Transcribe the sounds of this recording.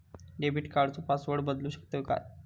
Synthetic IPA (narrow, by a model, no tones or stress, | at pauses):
ɖebiʈkaɖt͡sopasʋəɽbəd̪luːɕə̥k̚t̪oka̰j